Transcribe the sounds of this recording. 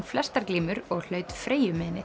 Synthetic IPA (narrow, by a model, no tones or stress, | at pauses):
flɛst̪aɾkliːmʏɾɔɣl̥œːɥt̪fɾeːjʏmɛːnɪ